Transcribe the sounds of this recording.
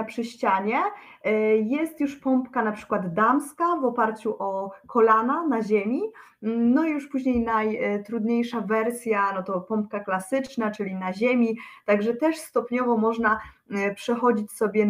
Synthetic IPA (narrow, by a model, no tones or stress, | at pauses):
pʂɘɕt͡ɕaɲɛ | jɛst̪juʂpɔmpkanapʂɘ̥kwad̪d̪amskavɔpaɾt͡ɕuʔɔkʰɔlananaʑemʲi | nɔijuʂpuʑɲejnajt̪ɾud̪ɲejʂavɛɾsʲjanɔt̪ɔpɔmp̚kaklasɘt͡ʂnat͡ʂɘlʲinaʑemʲit̪aɡʐɛt̪ɛʂst̪ɔpɲɔvɔmɔʐna | pʂɛxɔd͡ʑit͡ɕsɔbʲjɛ